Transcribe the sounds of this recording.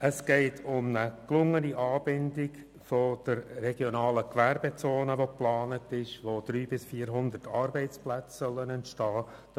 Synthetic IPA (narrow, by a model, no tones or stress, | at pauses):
əsɡ̥ɛɪtʰʊmnəklʊŋːəniʔɑːb̥ɪndɪk | fod̥əɾːɛɡ̥jɔnɑːləkʋæɾbet͡soːnəʋoplɑːnətɪʃʋod̥̪ɾyːbɪsfiːɾɦʊnd̪ərtʰɑːɾbɛɪt͡splæt͡ssœlːənɛntʃtɑː